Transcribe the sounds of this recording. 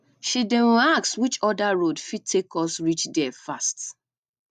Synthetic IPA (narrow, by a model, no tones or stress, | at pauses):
ʃidewakswit͡ʃɔdaɹodfid̚tʰekɔsɹit͡ʃdɛfast